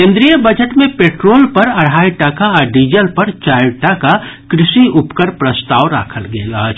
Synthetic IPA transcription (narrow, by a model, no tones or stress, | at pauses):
kẽnd̪ɾijəbəd͡ʒəʈmẽpeːʈɾoːlpɐɾɐɽ̤aːjʈakaɖiːd͡ʒəlpɐɾt͡ʃaːɪʈakakɾɪsiʊpkəɾpɾəst̪aːʋɾa̰ːkʰəlɡeːlat͡ʃʰ